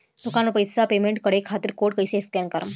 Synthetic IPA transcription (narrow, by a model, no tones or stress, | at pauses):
d̪ukanopəjsapemeɳʈkəɽekʰat̪iɾkoʈkəjseskɛnkəɾəm